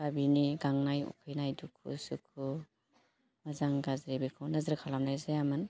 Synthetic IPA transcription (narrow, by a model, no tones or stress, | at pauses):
babiniɡaŋnajṵkʰɯjnajdukʰṵsukʰu | mazaŋɡazɾibikʰɯwnazɾkʰalamnajzajamɯn